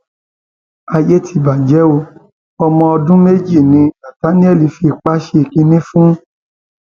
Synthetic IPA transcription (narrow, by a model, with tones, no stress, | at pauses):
a˧je˦tʰi˧˨ba˨d͡ʒɛ˨˦o˧ | ɔ˧mɔ̃˧ɔ˧dũ˦me˦d͡ʒi˦˨nĩ˧˦nã˨ta˨˦nĩ˦ɛ˦˨li˨˧fi˧k͡pa˦ʃe˦˧˦kĩ˧nĩ˦fũ˦